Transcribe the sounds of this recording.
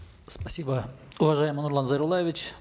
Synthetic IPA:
spɐsʲibə | ʊvɐʐajɪmɨnʊɾlˠanzəɾʊlˠajɪvʲɪt͡ɕ

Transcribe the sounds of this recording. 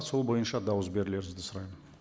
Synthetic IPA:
t̪so̞lˠbo̞jənʃɑd̪ɑwəzbe̞ɾɪle̞ɾɪɪzd̪ɪsʊɾɑjmən

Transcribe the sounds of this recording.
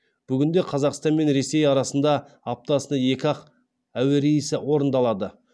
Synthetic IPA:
b̥ʏɡʲɪnd̪e̞qʰɑzɑqst̪ɑnme̞nɾe̞se̞jɑɾɑsənd̪ɑ | ɑp̚t̪ɑsənəje̞kʲɑq | æweɾejɪsɪwo̞ɾənd̪ɑlˠɑd̪ə

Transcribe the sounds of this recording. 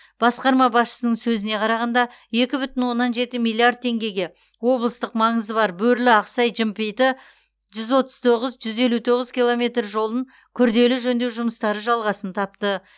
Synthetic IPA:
b̥ɑsqɑɾmɑbɑsʃə̥sənəɴsɵzɪne̞qʰɑɾɑʁɑnd̪ɑ | je̞kʲɪbʏt̪ɪnwo̞nːɑnʒe̞t̪ɪmilˠiaɾd̪̚t̪ʰe̞ŋɡʲe̞ɡʲe̞ | wo̞blˠəst̪əqmɑɴəzəbɑɾbɵɾlɪɑqsɑjʒɪmpejt̪ɪ | ʒʏzwo̞t̪əzt̪ʰo̞ʁəzʒʏze̞lut̪ʰo̞ʁəzkʲijlˠo̞me̞t̪rʒo̞lˠəŋ | kʲʰʏɾd̪e̞lɪʒɵnd̪ewʒʊməst̪ɑɾəʒɑlˠʁɑsənt̪ʰɑp̚t̪ə

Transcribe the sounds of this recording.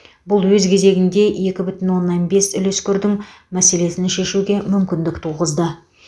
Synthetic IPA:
bʊlˠwɵzkʲʰe̞ze̞ɡʲɪnd̪e̞je̞kʲɪbʏt̪ɪnwo̞nːɑnbe̞sʏlʏskʲʏɾd̪ɪŋ | mæse̞le̞sɪnʃe̞ʃuɡʲe̞mʏmkʲɪnd̪ɪkt̪ʰuʁəzd̪ə

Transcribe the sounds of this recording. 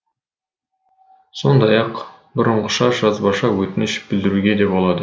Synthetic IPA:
so̞nd̪ɑjɑq | bʊɾəɴʁəʃɑʒɑzbɑʃɑwɵt̪ɪnɪʃbɪld̪ɪɾuɡʲe̞d̪e̞polˠɑd̪ə

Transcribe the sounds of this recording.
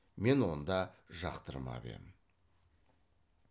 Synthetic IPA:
me̞nwo̞nd̪ɑʒɑqt̪əɾəmɑ̰bḛmɪ

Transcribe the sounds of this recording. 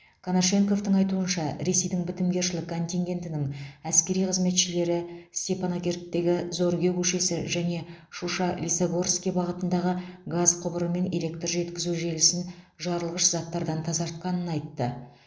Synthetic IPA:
kʰanaʃe̞ŋko̞ft̪əɴɑjt̪uənʃɑɾe̞se̞jd̪ɪŋbɪt̪ɪmɡʲe̞ɾʃɪlɪkʰːo̞nʲt̪ʲiŋɡʲe̞nt̪ɪnɪŋæskʲe̞ɾijqʰəzme̞t̪ʃɪle̞ɾɪsʲt̪ʲe̞pʰano̞kʲe̞rt̪ːe̞ɡʲɪzo̞ɾɡʲewɵʃe̞sɪʒæne̞ʃuʃɑlʲisaɡo̞rskʲijbɑʁət̪ənd̪ɑʁəɡazqʰʊbəɾəme̞ne̞lʲe̞k̚t̪rʒe̞t̪kʲɪzuʒe̞lɪsɪn | ʒɑɾəlˠʁəʃzɑt̪ːɑɾd̪ɑnt̪ʰɑzɑɾt̪̚qɑnənɑjt̪ːə

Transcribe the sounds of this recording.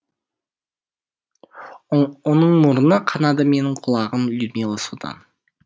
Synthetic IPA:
wo̞nəɴmʊɾənəqʰɑnɑd̪əme̞nɪɴqʰʊlˠɑʁənlʲud̪mʲilˠəsud̪ɑ̰n

